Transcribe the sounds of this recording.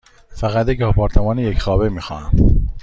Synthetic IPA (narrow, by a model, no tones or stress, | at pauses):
fæɣæt̪jecɒːpʰɒːɾt̪ʰemɒːnejecxɒːbemiːxɒ̰ːhæ̰m